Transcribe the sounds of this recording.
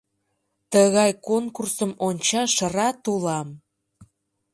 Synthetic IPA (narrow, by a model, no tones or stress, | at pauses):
t̪əɣɑjkonkursəmonʲt͡ɕɑʃərɑt̪ulɑm